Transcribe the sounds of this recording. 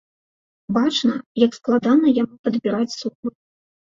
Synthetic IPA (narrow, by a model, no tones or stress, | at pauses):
bat͡ʂnɐjɐksklˠad̪anɐjamupɐd̪bʲiɾat͡sʲsuxɨ